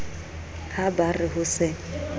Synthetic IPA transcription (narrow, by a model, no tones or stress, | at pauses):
habarɪɦʊsɪ